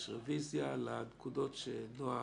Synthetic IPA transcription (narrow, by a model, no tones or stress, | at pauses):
ʃʁevizjalankud̪otʃenoa